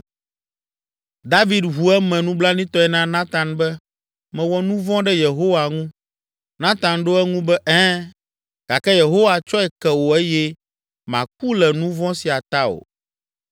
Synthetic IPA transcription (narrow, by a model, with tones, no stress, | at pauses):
d̪a˦vi˦d̪ɦu˨ɛ˦mɛ̃˨nũ˦bla˦nĩ˦t̪ɔ˦ɛ˨nã˦nã˦t̪ã˨nbɛ˦ | mɛ̃˨wɔ˦nũ˦vɔ̃˦ɖɛ˦je˨ɦo˦wa˨ŋũ˦ | nã˦t̪ã˨nɖo˦ɛ˦ŋũ˦bɛ˦ʔɛ̃˦ | ɡ̥a˨kɛ˦je˨ɦo˦wa˨t͡ʃɔ˦ɛ˨kɛ˨wo˨ɛ˦jɛ˦ | mã̰˨k̚u˦lɛ˨nũ˦vɔ̃˦si˨a˨t̪a˦o̰˨